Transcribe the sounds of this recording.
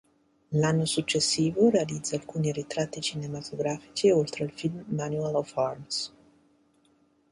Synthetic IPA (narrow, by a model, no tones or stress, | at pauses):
lanːosut͡ʃːesːiːvoɾealid̪zːaːlkuːniɾit̪ɾat̪ːit͡ʃinemat̪ʰoɡɾaːfi̥t͡ʃiolt̪ɾeilfilmːanualɔfarms